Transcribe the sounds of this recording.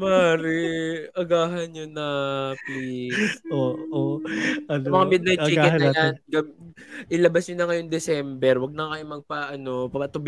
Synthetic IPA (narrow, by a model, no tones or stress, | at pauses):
maːɾɪʔɐɡaːɦɐnɲonɐplisoːʔo | mɐŋamɪd̪̚naj̚t͡ʃiːkɛnɐjanɡɐ | ʔɪlɐbasɲonɐŋɐjoŋd̪ɛsɛmbɛɾwɐɡ̚nɐkɐjomɐɡ̚pɐʔɐno̞pɐpɐt̪ʊb